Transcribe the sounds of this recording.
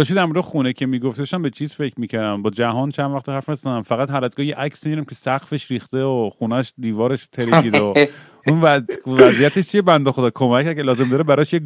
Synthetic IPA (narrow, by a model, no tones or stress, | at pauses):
d̥̪ɒʃ̬t̪id̪æɾmoɾd̪exunecʰemiːɡoft̪eoʃæmbet͡ʃʰiːz̥fecʰmiːcæɾd̪æmbɒːd͡ʒæɦɒːnt͡ʃʰænvæχt̪ehæɾfnesd̪æmfæɣæt̪ɦæɾæzɡɒːhjeʔæksimiɾæmcʰʲesæɣfeʃɾiːxt̪eoχunæʃd̪iːvɒːɾeʃt̪ʰeɾeid̪o | unvævæzijæt̪ʰeʃt͡ʃʰiebænd̪oxod̪ɒːkʰomæcʰːæɾcʰelɒːze̞md̪ɒːɾebæɾɒʃje